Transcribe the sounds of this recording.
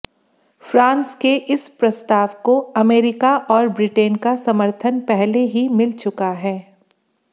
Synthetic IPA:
fɾãːnskeʔɪspɾɐst̪aːʋkoɐmeːɾɪkaʔɔːɾbɾɪʈeːnkasɐməɾt̪ʰənpɛɦleɦimɪlt͡ʃʊkaɦɛː

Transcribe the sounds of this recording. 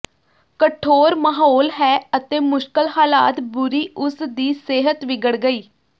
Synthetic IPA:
kəʈʰoːɾməɦoːlɦɛːət̪eːmʊʃkəlhaːla̰ːt̪bʊɾiːʔʊsd̪iːseːɦət̪ʋɪɡəɽɡəiː

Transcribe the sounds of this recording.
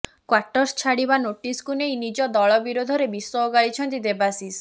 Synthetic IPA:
kwaʈɔɾst͡ʃʰaɽibanoʈiskunejnid͡ʒɔd̪ɔɭɔbiɾod̪ʱɔɾebisɔːɡaɭit͡ʃʰɔnt̪̬id̪ebasis

